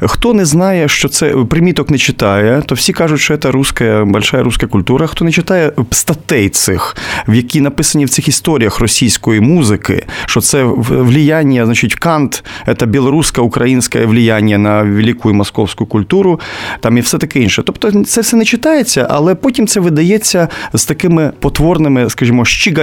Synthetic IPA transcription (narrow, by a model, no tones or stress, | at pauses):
xt̪ɔnɛznɑjɛʃt͡ʃɔt̪sɛpɾɪmʲit̪ɔknɛt͡ʃɪt̪ɑjɛt̪ɔwsʲikɑʐʊtʲʃt͡ʃɔɛt̪ɐɾuskɐjɐbɐlʲʃajɐɾuskɐkʊlʲt̪uɾɐxt̪ɔnɛt͡ʃɪt̪ɑjɛst̪ɐt̪ɛjt̪sɪxwjɐkʲinɐpɪsɐnʲiwt̪sɪxist̪ɔɾʲijɐxrɔsʲijsʲkɔjimuzɪkɪ̰ʃt͡ʃɔt̪sɛʋlʲijanʲːɐznɐt͡ʃɪtʲkɑnt̪ɛt̪ɐbʲɪlˠɔɾuskɐʊkɾɐjinsʲkɐ̰jɛʋlʲijanʲjɐnɐʋʲelʲikʊjʊmɔskɔwsʲkʊjʊkʊlʲt̪uɾʊt̪amiwsɛt̪ɐkɪinʃɛt̪ɔpt̪ɔt̪sɛfsɛnɛt͡ʃɪt̪ajet͡sʲːɐʔɐ̰lˠɛpotʲimt̪sɛʋɪd̪ɐjet͡sʲːɐz̥t̪ɐkɪmɪpɔt̪ʋɔrnɪmɪskɐʐimɔʃt͡ʃiɡɐ